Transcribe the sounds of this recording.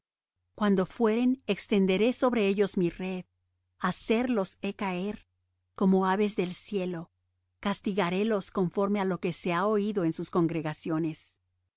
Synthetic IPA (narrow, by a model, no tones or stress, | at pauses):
kwand̪o̞fwe̞ɾe̞nekst̪e̞nd̪e̞ɾe̞so̞βɾe̞eʝo̞zmire̞ð | ase̞ɾlo̞se̞kae̞ɾ | ko̞mo̞aβe̞zðe̞lsje̞lo̞ | kast̪iɣaɾe̞lo̞sko̞ɱfo̞ɾme̞alo̞ke̞se̞aoiðo̞ensusko̞ŋɡɾe̞ɣasjo̞ne̞s